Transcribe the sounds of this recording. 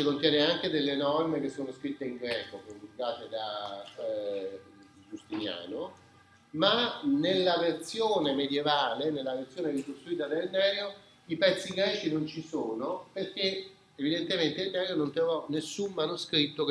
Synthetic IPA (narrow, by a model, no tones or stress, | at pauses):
t͡ʃikont̪jɛːneaŋk̟ed̪elːenɔrmek̟esːoːnoskɾit̪ːeiŋɡɾɛːkokomuɡ̪aːt̪ed̪a | d͡ʒust̪inja̰ːno | manelːavert̪sjoːnemed̪jevaːlenelːavert̪sjoːneɾikost̪ɾuiːt̪ad̪elnɛːɾjo | ipɛt̪sːiɡɾɛːt͡ʃinont͡ʃisoːnoperk̟e | evid̪ent̪ement̪eilnɛːɾjonont̪ɾovɔnesːumːanoskɾit̪ːok